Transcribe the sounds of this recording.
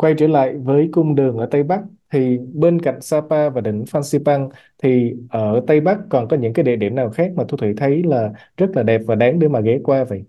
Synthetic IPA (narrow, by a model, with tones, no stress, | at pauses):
kwa˧jt͡ɕəː˧˩la̰ː˧˨jvəː˨˦jkʊ˧wŋ͡mɗɨ˨˩əŋʔəː˧˩t̪ə˧jɓa˦˥k̚t̪ʰi˨˩ɓe˧nka̰˧˨jŋ̟saː˧paː˧vaː˨˩ɗï˧˩ŋ̟faː˧nsi˧pa˧ŋ | t̪ʰi˨˩ʔəː˧˩t̪ə˧jɓa˦˥k̚kɔ˨˩nkɔ˨˦ɲɨ̰˧˥ŋkaː˨˦jɗḭ˧˨ɗḭ˧˩əmnaː˨˩wxaː˦˥k̚maː˨˩t̪ʰu˧t̪ʰi˧˩˦t̪ʰə˨˦jlaː˨˩ | zə˦˥t̚laː˨˩ɗɛ˨˩p̚vaː˨˩ɗaː˨˦ŋɗe˨˧˦maː˨˩ɣɛ˨˦kwaː˧və̰˧˨j